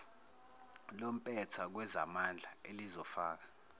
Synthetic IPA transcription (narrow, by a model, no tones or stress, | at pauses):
lom̩pʼɛtʰak̬wɛza̰mand͡ɮʱaelizɔfaːk̬ḁ